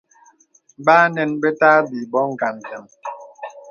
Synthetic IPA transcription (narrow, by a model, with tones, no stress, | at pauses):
baː˦nɛ˨nbe˦taː˦bi˨bɔ˦ŋ̩˨ɡa˨n˨tə˨m